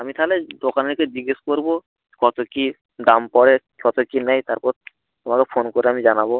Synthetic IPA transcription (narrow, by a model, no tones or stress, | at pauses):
amit̪ʰaɦled̪okaneɾked͡ʑiɡeʃkoɾbo | kɔt̪oki | d̪ampɔɽe | kɔt̪okinɛjt̪aɾpɔɾ | t̪omakefʰonkoɾeamid͡ʑanabo